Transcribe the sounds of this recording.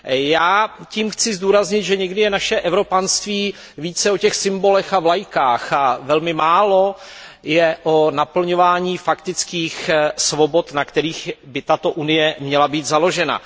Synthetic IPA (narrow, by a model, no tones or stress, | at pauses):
jaːciːmxt͡sɪzd̪uːɾazɲɪt̪ʒɛɲɛɡdɪjɛnaʃɛʔɛvɾo̞panst̪viː | viːt͡sɛo̞cɛxsɪmbo̞lɛxavlajkaːxavɛlmɪmaːlo̞ | jɛʔonapl̩ɲo̞vaːɲiːfakt̪ɪt͡skiːxsvo̞bo̞t̪nakt̪ɛɾiːxbɪt̪at̪o̞ʔunɪjɛmɲɛlabiːt̪zalo̞ʒɛna̰